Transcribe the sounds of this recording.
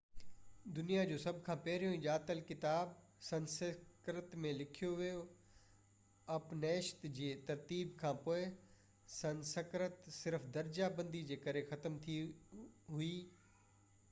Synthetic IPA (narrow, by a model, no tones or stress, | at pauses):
d̪ʊnijad͡ʑoːsɐbʱkʰãːpɛɦɾijõĩʄaːt̪əlkɪt̪aːb | sɐ̃nsəkɾət̪mẽlɪkʰijoʋijo | ɐpneːʃt̪d͡ʑeːt̪ɐɾt̪iːbkʰãːpoːɪ | sɐ̃nsəkɾət̪sɪɾfd̪ɐɾd͡ʑabɐ̃nd̪id͡ʑeːkɐɾexɐt̪əmt̪ʰi | ɦuiː